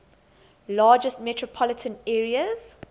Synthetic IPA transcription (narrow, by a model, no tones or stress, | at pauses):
lɑːd͡ʒəstmɛtʰɹɔpʰɔlɪtʰə̃nɛːɹiəz̥